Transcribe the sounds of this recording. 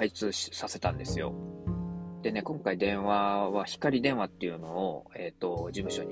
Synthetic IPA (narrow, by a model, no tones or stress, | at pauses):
ait͡sɨːsase̞t̪ãnd̪e̞sɨjo̞̰ | d̪̥e̞ne̞kõ̞ŋkaid̪ẽ̞ɰ̃βaβaçi̥kaɾʲid̪ẽ̞ɰ̃βat̪ːejɯ̟no̞ːe̞ːt̪ːo̞d͡ʑimɯ̟ɕo̞̰ɲ̟i